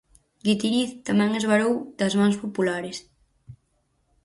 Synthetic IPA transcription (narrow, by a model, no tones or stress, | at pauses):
ɡit̪iɾiθt̪amɛ̃ŋezβaɾowd̪ɐzmaŋspopulaɾɪs